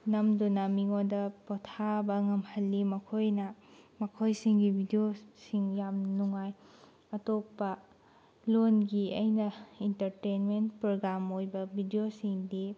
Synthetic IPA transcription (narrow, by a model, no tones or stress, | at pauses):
nɐmdunɐmiŋodɐpotʰabɐŋɐmhɐlːimɐkʰojnɐmɐkʰojsiŋɡibʱidiosiŋjamnuŋaj | ɐtokpːɐ | lonɡiɐjnɐintɐɾtenmentpɾoɡɾamojbɐbʱidiosiŋdi